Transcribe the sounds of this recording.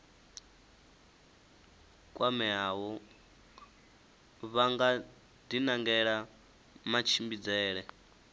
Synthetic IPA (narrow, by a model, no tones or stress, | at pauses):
kʼwamɛawɔ | βaŋɡa | d̪inaŋɡɛɺa | mat͡ʃʰimbid͡zɛːɺɛ